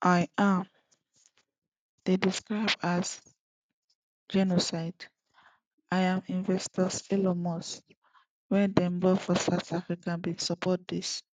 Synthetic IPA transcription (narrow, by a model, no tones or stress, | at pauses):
ʔajãm | d̥ediskɹaɪbas | d͡ʒɛnosaɪd | ʔajãmĩnvɛstɔsɛlɔmɔs | wɛ̃dɛ̃mbɔfɔsaʊθafɹikãbĩsɔpʰɔt̚d̪is